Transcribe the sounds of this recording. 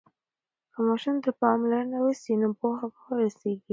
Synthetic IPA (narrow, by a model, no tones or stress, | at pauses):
kəmɑʃumd̪əpɑmlaɾənawəsinopohabawəɾoseɡi